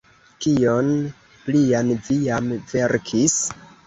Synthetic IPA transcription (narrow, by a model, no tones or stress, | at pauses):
kion | plianvijamve̞ɾkʰis